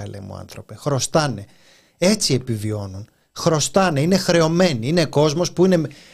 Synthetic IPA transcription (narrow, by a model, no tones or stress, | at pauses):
ɐlʔḛmṵɐ̰nθɾo̞pe̞xɾo̞st̪ɐne̞ | e̞t͡sie̞pivio̞nun | xɾo̞st̪ɐne̞ine̞xɾe̞o̞me̞niine̞ko̞zmo̞spuine̞